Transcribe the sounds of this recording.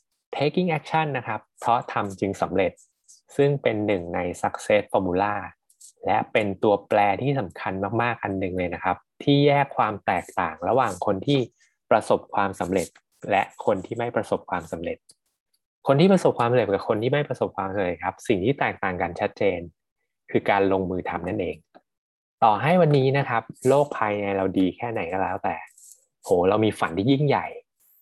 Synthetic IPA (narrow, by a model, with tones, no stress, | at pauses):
t̪ʰeː˦˥ki˥˩ŋʔɛ˦˥k̚t͡ɕʰa˥˩nːa˦˥kʰa˦˥pʰːɾɔ˦˥t̪ʰa˧mt͡ɕɯ˧ŋsa˩˦mɾe˨˩t̪̚ | sɯ˥˩ŋpe˧nːɯ˨˩ŋna˧jsa˦˥k̚seː˦˥t̪̚fɔː˧muː˧laː˥˩ | lɛ˦˥ʔpe˧nt̪u˧ɐplɛː˧t̪ʰiː˥˩sa˩˦mkʰa˧nmaː˥˩k̚maː˥˩k̚ʔa˧nːɯ˨˩ŋlɤː˧jna˦˥kʰa˦˥p̚t̪ʰiː˥˩jɛː˥˩kʰːwaː˧mt̪ɛː˨˩k̚t̪a̰ː˨˩ŋɾa̰˧waː˨˩ŋkʰo˧nt̪ʰiː˥˩ | pɾa˧so˨˩p̚kʰwaː˧msa˩˦me˨˩t̪̚ | lɛ˦˥ʔkʰo˧nt̪ʰiː˥˩ma˥˩jpɾa˧so˨˩p̚kʰwaː˧msa˨˩˦mɾe˨˩t̪̚ | kʰo˧nt̪ʰiː˥˩pɾa˧so˨˩p̚kʰwaː˧msa˨e˨˩t̚ka˨˩kʰo˧nt̪ʰiː˥˩ma˥˩jpɾa˧so˨˩p̚kʰwaː˧msa˨˦mɾe˨˩t̪̚kʰa˦˥p̚si˨˩ŋt̪ʰiː˥˩t̪ɛː˨˩k̚t̪aː˨˩ŋka˧nt͡ɕʰa˦˥t̪̚t͡ɕeː˧n | kʰɯː˧kaː˧nlo˧ŋmɯː˧t̪ʰa˧mna˥˩nʔeː˧ŋ | t̪ɔː˨˩ɦa˥˩jwa˧nːiː˦˥na˦˥kʰa˦˥p̚loː˥˩k̚pʰaː˧jna˧jɾa˧wdiː˧kʰɛː˥˩na˨˩˦jkʰa˥˩lɛː˦˥wt̪ɛː˨˩ | hoː˩˦ɾa˧wmiː˧fa˩˦nt̪ʰiː˥˩ji˥˩ŋja˨˩j